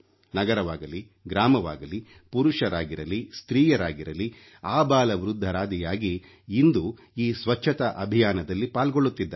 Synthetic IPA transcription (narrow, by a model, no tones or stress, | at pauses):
nɐɡɐɾɐʋaːɡɐli | ɡɾaːmɐʋa̰ːɡɐli | puɾuʃɐɾaːɡiɾɐlist̪ɾiːjɐɾaːɡiɾɐli | aːbaːlɐʋɾud̪ʱːɐɾaːd̪ijaːɡiː | nd̪u | iːsʋɐt͡ʃʰːɐt̪ɐʔɐbʱijaːnɐd̪ɐlːipaːlɡoɭːut̪ːid̪ːɐ